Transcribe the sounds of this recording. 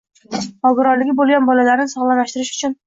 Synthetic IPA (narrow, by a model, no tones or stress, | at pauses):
ɒlˠɡɪɾɒɾlɪɡʲɪbolˠɡʲanbɒlalaɾnɪsɒʁlˠalaʃt̪ɪɾɪʃʊ̥t͡ʃʰʊn